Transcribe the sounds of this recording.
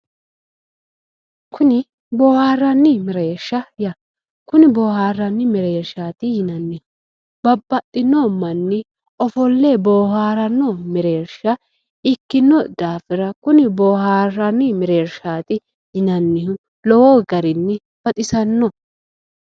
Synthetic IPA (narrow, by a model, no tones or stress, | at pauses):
kʰʊnɪ | boːhaːrːɐnːɪmɛɾeːɾʃːɐjɐ | kʊnɪboːhaːrːɐnːɪmɛɾeːɾʃaːt̪ɪhɪnɐnːɪhʊ | b̥ɐbːɐt̪ʼːɪnːomɐnːɪ | ɔfɔlːeːboːhaːɾɐnːɔmɛɾeːɾʃɐ | ɪkːɪnːɔd̪̥aːfɪɾɐkʊnɪboːhaːrɐnːɪmɛɾe̞ːɾʃaːt̪ɪ | hɪnɐnːɪhʊ | lɔwɔːɡɐɾɪnːɪ | b̥ɐt̪ʼɪsɐnːɔ